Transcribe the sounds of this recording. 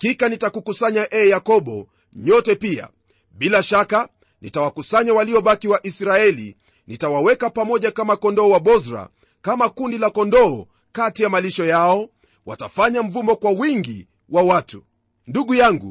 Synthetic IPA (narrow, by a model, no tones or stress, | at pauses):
kikanitakukusaɲaʔɛːjakɔɓɔ | ɲɔtɛpia̰ | ɓilaʃaka | nitawakusaɲawaliɔɓakiwaʔisɾaɛlḭ | nitawawɛkapamɔʄakamakɔndɔɔwaɓɔzɾa̰ | kamakundilakɔndɔː | katijamaliʃɔjaɔ | wa̰tafaɲam̩vumɔkwawiŋɡi | wawatu | nduɠujaŋɡṵ